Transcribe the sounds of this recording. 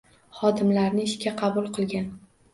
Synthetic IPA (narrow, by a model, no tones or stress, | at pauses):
χɒd̪ɪmlaɾnɪɪʃkʲaqʰɑbʊlˠqʰɨlˠɡʲan